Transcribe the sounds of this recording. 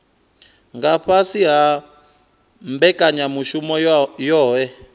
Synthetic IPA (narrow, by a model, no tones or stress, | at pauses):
ŋɡaɸasiɦa | mbɛkʼaɲamuʃumɔjɔːɦɛ